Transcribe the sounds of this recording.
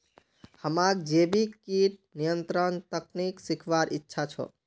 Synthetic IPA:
həmak̚d͡ʒebikiʈnijənt̪ɾənt̪əkniksikʰʋaɾʔitːʃʰat͡ʃʰɔ̰

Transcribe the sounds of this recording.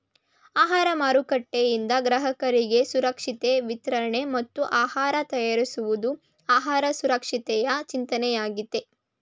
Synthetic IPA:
aːɦaːɾɐmaːɾukɐʈːejind̪ɐɡɾɐɦɐkɐɾiɡe̞suɾɐkʂit̪eʋit̪ɾɐɾɳe̞mɐt̪ːuʔaːhaːɾɐt̪ɐjaːɾisuʋud̪u | aːɦaːɾɐsuɾɐkʂit̪ɛjɐt͡ʃint̪ɐnɛjaːɡid̪e̞

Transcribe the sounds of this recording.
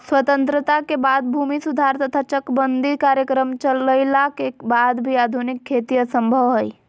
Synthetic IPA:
swət̪ə̃nt̪ɾət̪akebad̪̚bʱumisud̪ʱaɾt̪ət̪ʰat͡ʃəkbənd̪ʱikaːɾjəkɾəmt͡ʃələɪlakebad̪bʱiaːd̪ʱunɪkʰːeːt̪ijəsə̃mbʱəʋɦəj

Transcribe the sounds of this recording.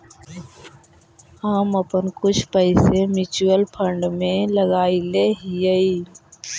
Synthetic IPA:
aːməpənkʊt͡ʃʰpəɪsemɪt͡ʃuəlpʰəɳɖmẽləɡaːileɦijəi

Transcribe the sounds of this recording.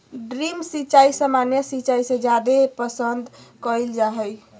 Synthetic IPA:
ɖɾimsit͡ʃaisəmanjəsit͡ʃaisẽd͡ʒjad̪epəsənd̪ʱkəjld͡ʒaɦɛj

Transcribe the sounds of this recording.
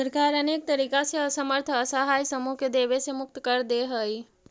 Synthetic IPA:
səɾkaɾənek̚t̪əɾikaseəsəməɾt̪ʰəsəɦajsəmuked̪eʋesemʊk̚t̪kəɾd̪eɦəj

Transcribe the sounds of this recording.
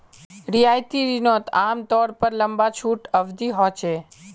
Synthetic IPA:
ɾijajt̪iɾinot̪amt̪ɔɾpəɾləmbat͡ʃʰuʈəʋd̪iɦɔt͡ʃʰe

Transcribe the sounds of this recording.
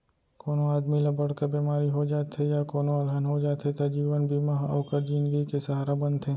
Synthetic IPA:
koːnoaːd̪milɐbəɽkabeːmaːɾiɦod͡ʒaːt̪ɦejakoːnoaːlʱanɦod͡ʒaːt̪ɦet̪ad͡ʒiːʋənbʱimaɦɐ̰ːkəɾd͡ʒɪ̃nɡikesɐɦaːɾabɐ̃nt̪ɦẽː

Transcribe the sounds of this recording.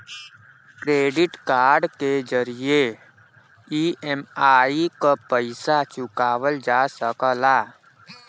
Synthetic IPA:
kɾeːɖɪʈkaːɾɖked͡ʒəɾije | iːemaːikapəɪsat͡ʃʊkaːwəld͡ʒaːsəkəlaː

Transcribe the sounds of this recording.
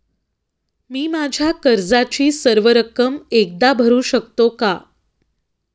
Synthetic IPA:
miːmad͡ʑʱjakəɾd͡zat͡ɕiːsəɾʋəɾəkəmek̚d̪abʱəɾuːɕək̚t̪oka

